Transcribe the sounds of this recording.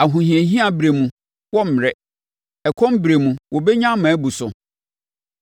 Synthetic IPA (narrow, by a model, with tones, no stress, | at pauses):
a˨ɦũ˨hĩ˨e˨ɦĩ˦a˨bɾe˨mũ˨ | wɔ˦m̩˨ɾɛ˦ | ɛ˨kʰɔ̃˦m˦bɾe˨mũ˨wʔɔ˨be˦ɲã˦mã˨˦bu˨sʊ˨